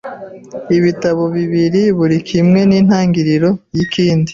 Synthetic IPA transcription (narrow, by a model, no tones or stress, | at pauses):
iβitaβo̞βiβiɾiβuɾikʰimŋe̞niːn̥haːŋɡiɾiɾo̞jikʰiːndi